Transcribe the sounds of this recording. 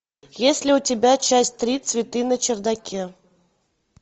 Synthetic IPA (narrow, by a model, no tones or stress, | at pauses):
jesʲlʲɪʊtʲɪbʲat͡ɕæsʲtʲt̪ɾʲit̪svʲɪt̪ɨnət͡ɕɪrd̪ɐkʲe